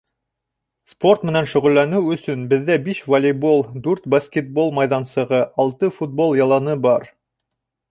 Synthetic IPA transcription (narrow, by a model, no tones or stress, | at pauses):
spo̞rt̪mɘ̆nænʃɵ̆ʁɵ̆lːænɘwɵ̆sɵnbɘ̆ðːæbiʃvɐlʲɪbolˠd̪ʉɾt̪bɐskʲet̪̚bo̞lˠmɑjðɑnsɤ̆ʁɤʔɑlˠt̪ɤfut̪̚bo̞lˠjɑlˠɑnɤbɑɾ